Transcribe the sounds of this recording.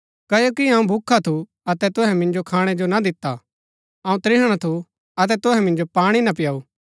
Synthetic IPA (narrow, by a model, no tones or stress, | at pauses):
kɐjoːkiɐũbʱʊkʰːat̪ʰu | ɐt̪ɛt̪ʊɦɛ̃mɪ̃nd͡ʒokʰaːɽ̃ɛd͡ʒonad̪ɪt̪ːa | ɐũt̪ɾɪɦəɽ̃at̪ʰu | ɐt̪ɛt̪ʊɦɛ̃mɪ̃nd͡ʒopaːɽ̃inɐp̬ɪjaːuː